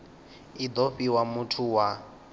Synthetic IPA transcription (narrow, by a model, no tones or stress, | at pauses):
id̪ɔɸiwamutʰuwa